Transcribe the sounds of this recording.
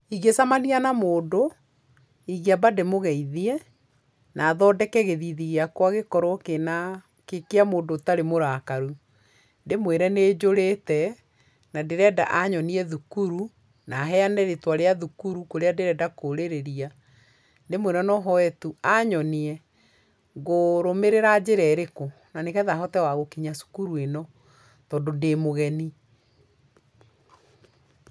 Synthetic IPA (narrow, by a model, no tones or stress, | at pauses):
iɣesamanianamoːdo | iɣiabademoɣɛiðiɛ | naːðɔːdɛkɛɣeðiðiɣeakwaɣekɔɾɔkena | kekeamoːndotaɾemoɾakaɾu | ndemweɾɛneːd͡ʑoɾetɛ | nadeɾɛːda̰ʔaɲɔniɛðukuɾu | naɦɛanɛɾetwaɾeaðukuɾukoɾeadeɾɛdakoɾeɾeɾia | ndemweɾɛnɔɦɔɛtuaɲɔniɛ | ɣoɾomeɾeɾad͡ʑeɾɛɾeko | nanekɛðaɦɔtɛwaɣokiɲasu̥kuɾuenɔ | tɔdondemoɣɛni